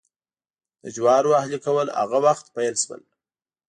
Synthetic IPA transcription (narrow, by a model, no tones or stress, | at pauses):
d̪̥əd͡ʒwɑɾwahlikawəla̰ɣawaxt̪pajəlʃwə̰l